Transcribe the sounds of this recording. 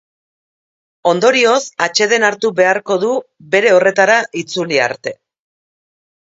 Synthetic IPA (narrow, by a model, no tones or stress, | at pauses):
o̞nd̪o̞ɾio̞sat͡ʃe̞ðe̞naɾt̪uβe̞aɾko̞ðu | be̞ɾe̞o̞re̞t̪aɾaʔit͡sulia̰ɾt̪e̞